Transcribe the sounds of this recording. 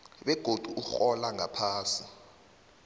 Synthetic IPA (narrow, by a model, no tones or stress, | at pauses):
ɓɛɡ̥ʱod̥ʱuʔuxɔlaŋapʰaːsi